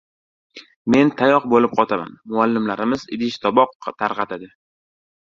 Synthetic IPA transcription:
me̞nt̪ʰajɒq̚bolɪp̚qʰɒt̪ʰama̰nmʊalːɪmlaɾɪmɪzɪ̰d̪ɪʃt̪ʰɒbɒqt̪ʰaɾqɑt̪ad̪ɪ

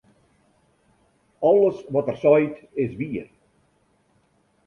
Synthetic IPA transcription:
ɔlˠəsʋɔtərsɔjtɪsʋiər

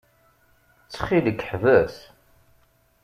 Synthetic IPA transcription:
t͡sːχiləkːħvæs

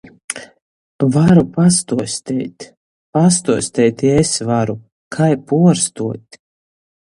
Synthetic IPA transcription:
vaɾupast̪uɔsʲt̪ɛjt̪ʲ | past̪uɔsʲt̪ɛjt̪ʲesvaɾu | kʰajpuɔɾst̪uɔt̪ʲ

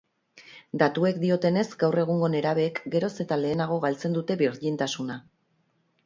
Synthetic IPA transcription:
d̪at̪ue̞kd̪io̞t̪e̞ne̞zɡawre̞ɣ̞uŋɡo̞ne̞ɾaβ̞e̞ːkɡe̞ɾo̞se̞t̪ale̞ːnaɣ̞o̞ɣ̞alt͡se̞nd̪ut̪e̞βiɾdint̪asuna

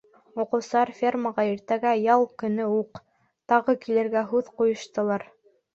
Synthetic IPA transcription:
uqɤ̆wsɤɑɾfʲerməʁɑiɾt̪æɡæjɑlˠkɵ̆nɵuq | t̪ɑʁɤkilɘ̆ɾɡæɦʉðqujɤ̆ʃt̪ɤ̆lˠɑɾ

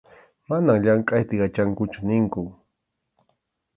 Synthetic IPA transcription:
manaŋʎaɴqʼajt̪ɪɢat͡ʃaŋkʊt͡ʃʊnɪŋkʊ

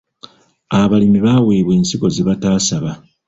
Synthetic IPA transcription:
aβalimiβaːweːβwe̞ːnsiko̞ziβataːsaβa

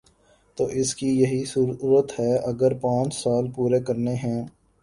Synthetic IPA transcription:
t̪oːʔɪskijɐɦisuːɾɾət̪ɦɛːɐɡəɾpãːt͡ʃsaːlpuːɾekəɾneɦɛ̃ː

